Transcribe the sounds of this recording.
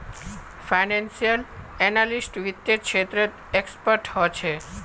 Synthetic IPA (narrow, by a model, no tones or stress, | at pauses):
fajnensijəl | ɛnalisʈʋit̪jekʰʃʰet̪ɾe | ekspəɾʈhɔet͡ʃʰe